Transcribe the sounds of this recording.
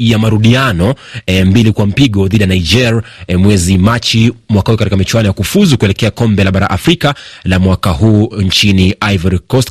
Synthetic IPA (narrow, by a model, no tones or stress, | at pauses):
jamaɾuɗianɔmbilikwam̩piɠɔðiɗijanaid͡ʒɛɾmwɛzimat͡ʃimwakahukatikamit͡ʃwanɔjakufuzukuɛlɛkɛakɔmbɛlaɓaɾa̰ʔafɾikalamwakahuːɲt͡ʃiniʔavɛɾikɔst